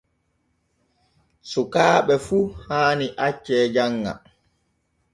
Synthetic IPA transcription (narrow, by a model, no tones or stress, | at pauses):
sukaːɓɛfuhaːniʔat͡ʃːɛːd͡ʒaŋːa̰